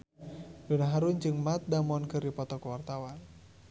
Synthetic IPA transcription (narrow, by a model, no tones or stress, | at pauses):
dunaɦaɾund͡ʒɨŋmat̪̚damɔnkɨrdipɔt̪ɔkuwart̪awan